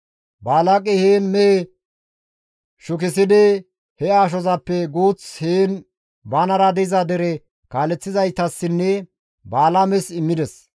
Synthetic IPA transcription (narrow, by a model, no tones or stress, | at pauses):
baːlakʼɛheːnmɛ | ʃʊk̬ɪsɪd̪ɪ | hɛaːʃ̬ɔzɐpːɛɡuːt͡sheːn | baːnɐɾɐd̪ɛzɐd̪ɛɾɛ | kaːlɛt͡sːɪzɐjt̪ːɐsːɪnːɛ | baːlamɛsɪmːɪd̪ɛs